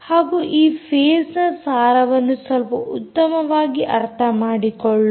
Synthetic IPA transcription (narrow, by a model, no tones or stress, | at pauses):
haːɡuːʔiːpʰeːsnɐsaːɾɐʋɐnːusɐlpɐʔut̪ːɐmɐʋaːɡiʔɐɾt̪ʰɐmaːɽikɔɭːu